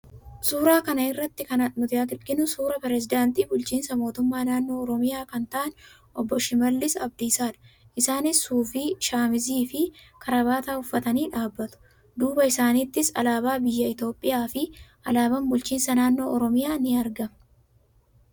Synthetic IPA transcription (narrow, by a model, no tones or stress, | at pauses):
suːɾaːkɐnɐɪrːɐt̪ːɪkɐnɐᶑ̪mʊt̪ɪɐkɪɾɡɪnʊsuːɾɐpɛɾɛzɪd̪aːnt̪iːbʊlt͡ʃiːnsɐmo̞ːt̪ʊmːaːnaːnːo̞ːɔɾɔmɪjaːkɐnt̪ɐʔɐn | ʔɔbːɔʃɪmɐlːɪsɐ̰bd̪ɪːsaːᶑɐ̥ | ʔɪsaːnɪsːuːfiːʃaːmɪziːfɪkʰɐɾɐβaːt̪aːʊfːɐt̪ɐniːᶑaːbːɐt̪ʊ̥ | d̪uːbɐɪsaːniːt̪ːɪsɐ̰laːbaːbɪjːɐɪt̪o̞ːpʼːɪjaːfɪʔɐlaːbɐmbʊlt͡ʃiːnsɐnaːnːo̞ːʔɔɾɔmɪjaːnɪɐɾɡɐm